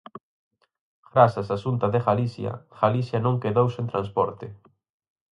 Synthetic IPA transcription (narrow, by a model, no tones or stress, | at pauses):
ɡɾasasasunt̪ɐðeɣalisjɐ̰ɣ̥alisjɐnõŋkeðowsẽnt̪ɾãnspɔɾt̪ɪ